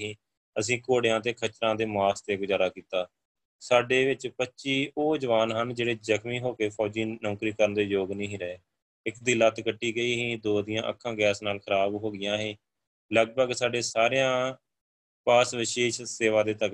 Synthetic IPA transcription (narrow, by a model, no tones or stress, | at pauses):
ĩː | əsĩːkoːɽejãːt̪eːkʰət͡ʃɾãːd̪eːmaːst̪eːɡʊzaːɾaːkiːt̪aː | saːɖeːʋɪt͡ʃpətːʃiːoːd͡ʒəʋaːnɦənd͡ʒeːɽeːd͡ʒəkmĩːɦoːkeːpʰɔːd͡ʒiːnɔ̃ːkɾiːkəɾənd̪eːjoːɡnĩːɦiːɾəeː | ɪkd̪ɪlaːt̪kəʈːiːɡəiːɦĩːd̪oːd̪ɪjãːʔəkʰːãːɡɛːsnaːlkʰəɾaːbɦoːɡɪjãːɦẽː | ləɡ̚bəɡsaːɖeːsaːɾejãː | paːsʋɪʃeːʃseːʋaːd̪eːt̪ək